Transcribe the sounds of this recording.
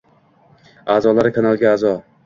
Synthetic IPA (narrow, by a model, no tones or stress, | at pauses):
aːzɒlˠaɾɪkʰanalˠɡʲaazɒ